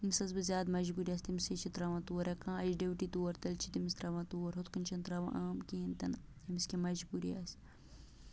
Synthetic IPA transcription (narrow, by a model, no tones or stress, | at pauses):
imsɐzbɨzʲjaːd̪mɐʒbuɾiɐst̪imset͡ʃʰit̪ɾɐʋãːt̪uwɐɾʲɐkãːɐd͡ʒɖewʈit̪uwɐɾt̪ɐlt͡ʃʰit̪imist̪ɾɐʋãːt̪uɐɾɦot̪kɨnt͡ʃʰɐnt̪ɾɐʋã̰ʔaːmkeːnt̪ɐn | imiskʲemɐʒbuɾḭɐs